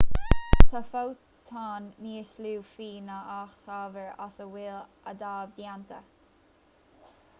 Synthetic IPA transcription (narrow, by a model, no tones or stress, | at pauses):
t̪ʰafow | t̪ʰɑːnːiːəʃluːfiːnaʔaxaːvəɹa̰θəwɪlʔəd̪aːvd̪jant̪ə